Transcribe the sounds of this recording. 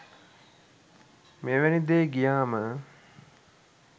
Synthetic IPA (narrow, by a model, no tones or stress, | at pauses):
meːʋænid̪eːɡijaːmə